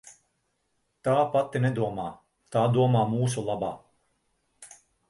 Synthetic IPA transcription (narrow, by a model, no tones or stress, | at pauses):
t̪aːpat̪ːinɛd̪uɔmaː | t̪aːd̪uɔmaːmuːsulˠaba̰ː